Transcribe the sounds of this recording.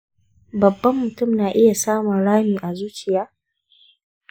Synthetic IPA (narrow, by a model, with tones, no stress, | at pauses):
bɐ˨bːɐ˦mːʊ˨tʊ˦˨mnaː˨ʔɪ˦ja˨saː˦mʊ˨nɽaː˦miː˨ʔa˨zuː˦t͡ʃɪ˨jaː˦